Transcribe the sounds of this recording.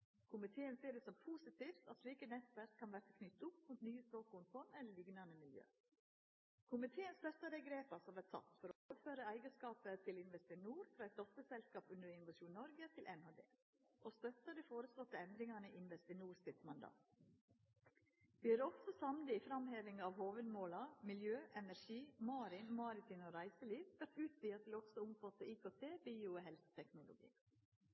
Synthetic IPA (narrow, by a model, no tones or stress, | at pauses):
kʰʊmɪt̪ʰeːənsiːd̪ɛsɔmpʰuːsɪt̪iːft̪ɑt̪sliːkənɛt̪ʋæɾkʰːɑnʋæɾt̪əkʰnʏt̪ːʊpmuːt̪nyːəspɾoːkʊnfʰɔnɛlːəlɪɡnənəmɪljø̰ː | kʰʊmɪt̪ʰeːənst̪œt̪ːəd̪ɛɪɡɾeːpɑsɔʋɛt̪sʰɑ̰t̪ːfɔɾɔoːʋəføːɾəæɪɡəskɑːpət̪ʰɪlɪnʋɛst̪ɪnuːɾfɾɑæɪt̪̚d̪ɔft̪əsɛlskɑːpʉnd̪əɾɪnʊʋɑʃuːnnɔɾɡət̪ʰɪlʔɛnhɑːd̪ḛː | ʔoːst̪œt̪əd̪iːfoːɾəslɔt̪əɛnd̪ɾɪŋɑnəʔɪnʋɛst̪ɪnuːɾsɪt̪mɑnd̪ɑ̰ːt̪ | ʋiːæːɾɔfsɔsɑmlɪifɾɑmheːʋɪŋɑːʋhoːʋəd̪moːlɑmɪljøːʔɛnæʃiːmɑːɾɪnmɑːɾɪt̪ʰɪnoːɾæɪsəliːʋʋæʈ̪ʉːt̪siːɑt̪ʰɪlɔɡsɔʊmfɑt̪əiːkoːt̪ʰeːbiːʊoɦɛlsə̥t̪ʰɛknʊlʊ̰ɡḭː